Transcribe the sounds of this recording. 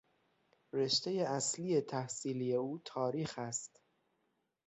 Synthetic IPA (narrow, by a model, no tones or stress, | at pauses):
re̞ʃt̪e̞je̞æsliːje̞t̪ʰæhsiːlije̞uːt̪ʰɒːɾiːxæst̪